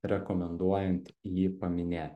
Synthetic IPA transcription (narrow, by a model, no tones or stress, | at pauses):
ɾʲɛkɔmʲɛnd̪uɔjɛnʲt̪jiːpɐmʲɪnʲeːt̪ʲ